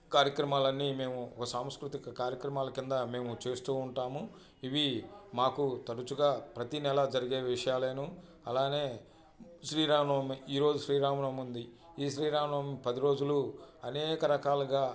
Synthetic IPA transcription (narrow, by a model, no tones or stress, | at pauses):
kaːɾjɐkɾɐmaːlɐnːime̞ːmuɔ̰kɐsaːmskɾut̪ikɐkaːɾjɐkɾɐmaːlɐkind̪ɐme̞ːmut͡ʃe̞ːst̪uːuɳʈaːmu | iʋimaːkut̪ɐɽut͡ʃuɡaːpɾɐt̪inɛlɐd͡ʒɐɾiɡe̞ːʋiʂɐjaːle̞ːnu | ɐlaːne̞ː | ʃɾiːɾaːmɳɐmiiːɾo̞ːd͡ʒuʃɾiːɾaːmɐɳɐmund̪i | iːʃɾiːɾaːmɐɳɐmipɐd̪iɾo̞ːd͡ʒuluɐnɛːkɐɾɐkaːluɡaː